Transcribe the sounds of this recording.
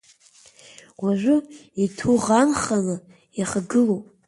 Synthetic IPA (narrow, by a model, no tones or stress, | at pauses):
waʒʷʊitʰuʁanχala | jaχaɡɨlowpʼ